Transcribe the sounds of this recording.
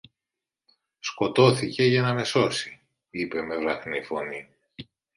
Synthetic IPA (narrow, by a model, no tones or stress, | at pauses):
sko̞t̪o̞θice̞ʝɐnɐme̞so̞si | ipe̞me̞vɾɐθnifo̞ni